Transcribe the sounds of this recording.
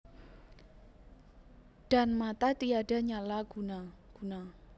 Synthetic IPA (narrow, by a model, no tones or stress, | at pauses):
ɖ̥a̤nmat̪at̪iada̤ɲalaɡunaɡ̥una